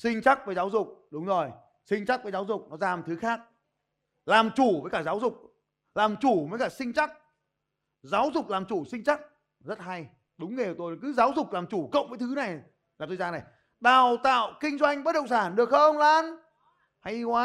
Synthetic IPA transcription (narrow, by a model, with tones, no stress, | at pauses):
sï˧ŋ̟t͡ɕa˦˥k̚vəː˨˦jzaː˨˦wzʊ˨˩k͡p̚ɗʊ˨˦ŋ͡mzo˨˩j | sï˧ŋ̟t͡ɕa˦˥k̚vəː˨˦jzaː˨˦wzʊ˨˩k͡p̚nɔ˨˦zaː˨˩mt̪ʰɨ˨˦xaː˦˥k̚ | laː˨˩mt͡ɕu˧˩vəː˨˦jkaː˧˩zaː˨˦wzʊ˨˩k͡p̚ | laː˨˩mt͡ɕu˧˩vəː˨˦jkaː˧˩sï˧ŋ̟t͡ɕa˦˥k̚ | zaː˨˦wzʊ˨˩k͡p̚laː˨˩mt͡ɕu˧˩sï˧ŋ̟t͡ɕa˦˥k̚ | zə˦˥t̚ha˧j | ɗʊ˨˦ŋ͡mŋe˨˩t̪o˧jkɨ˨˦zaː˨˦wzʊ˨˩k͡p̚laː˨˩mt͡ɕu˧˩kə̰˧˨wŋ͡mvəː˨˦jt̪ʰɨ˨˦na˨˩j | laː˨˩t̪o˧jzaː˧na˨˩j | ɗaː˨˩wt̪a̰ː˧˨wkï˧ŋ̟zwa˧jŋ̟ɓə˦˥t̚ɗə̰˧˨ŋ͡msaː˧˩nɗɨ˨˩ək̚xə˧ŋ͡mlaː˧n | ha˧jkwaː˨˦